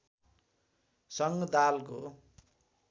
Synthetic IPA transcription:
sʌŋɡd̪alko̰

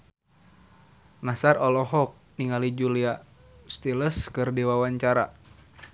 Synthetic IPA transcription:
nasarɔlɔɦɔk̚niŋalid͡ʒulia | st̪iləskɨrdiwawaɲt͡ʃaɾa̰

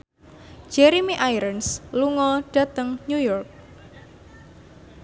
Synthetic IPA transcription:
d͡ʒ̥ɛɾimiʔajɾənsluŋɔɖ̥ä̤t̪əŋɲujɔrk̚

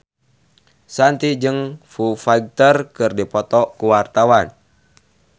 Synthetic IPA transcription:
sant̪id͡ʒɨŋfufaɡ̚t̪ərkɨrdipɔt̪ɔkuwart̪awan

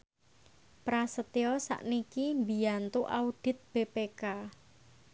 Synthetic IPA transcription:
pɾasət̪iɔsa̰ʔnikimbijant̪uʔaud̥ɪ̤t̪̚b̥epeka

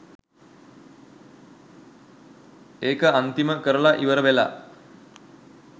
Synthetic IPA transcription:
eːkəant̪iməkəɾəɭaʔiʋəɾəʋela̰

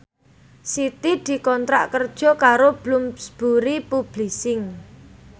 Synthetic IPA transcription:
sit̪id̪̥i̤kɔnt̪ɾa̰ʔkərd̥ʒ̥ɔ̤kaɾob̥lʊmsb̥uɾipub̥lisɪŋ

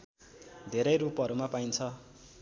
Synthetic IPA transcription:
d̪ʱeɾʌjrupʌɾumapajnt͡sʰʌ

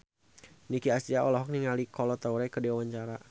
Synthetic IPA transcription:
nikiasiaɔlɔɦɔk̚niŋalikɔlɔt̪auɾɛkədɛwawaɲt͡ʃaɾa

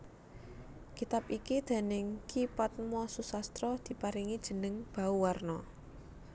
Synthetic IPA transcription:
kit̪apikid̪̥e̤nɪŋkʰipat̪̚mɔsusast̪ɾɔd̪̥i̤paɾiŋid̥ʒ̥ə̤nəŋb̥a̤uwarnɔ

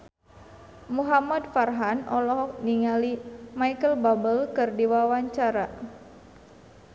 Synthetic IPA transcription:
muɦamadfarɦanʔɔlɔɦɔk̚niŋalimaikəlbabəlkɨrdiwawaɲt͡ʃaɾa

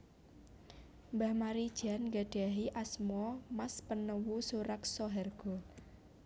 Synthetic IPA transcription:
mbahmaɾid̥ʒ̥a̤nŋɡaɖ̥a̤ɦiʔasmɔmaspənəwusuɾaksɔɦɛrɡ̥ɔ̤

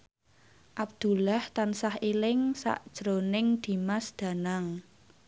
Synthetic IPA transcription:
ʔab̚d̪̥ṳlaht̪ansahelɪŋsa̰ʔd̥ʒ̥ɾonɪŋd̪̥i̤masd̪̥ä̤naŋ

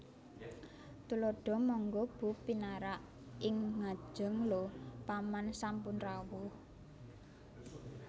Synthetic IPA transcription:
t̪uloɖ̥ɔ̤mɔŋɡɔb̥ṳpinaɾaʔ | ɪŋŋḁʒ̥ə̤ŋlopamansampʊnrawʊh

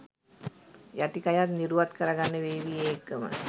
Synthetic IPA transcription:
jaʈikajat̪niɾuʋat̪kəɾəɡanːəʋeːʋijeːkːəmə̰

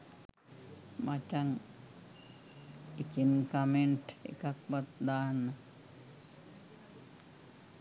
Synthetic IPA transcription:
mat͡ʃaŋ | ikinkameɳʈḛkakʋat̪d̪aːnːə

